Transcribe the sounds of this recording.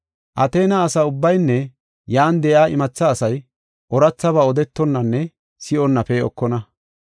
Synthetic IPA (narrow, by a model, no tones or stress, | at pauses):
ʔɐt̪eːnɐːsɐʊbːɐjnːɛ | jaːnd̪ɛʔaːʔɪmɐt͡sːɐːsɐj | ʔɔɾɐt͡sːɐβaːɔd̪ɛt̪ːɔnːɐnːɛ | sɪʔɔnːɐpɛɔ̰kːɔnɐ